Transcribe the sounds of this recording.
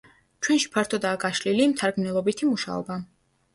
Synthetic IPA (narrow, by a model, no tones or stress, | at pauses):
t͡ʃʰwɛnʃi̥pʰaɾt̪ʰɔd̪aːɡaʃlilimt̪ʰaɾɡmnɛlˠɔbit̪ʰimuʃa̰ɔ̰ba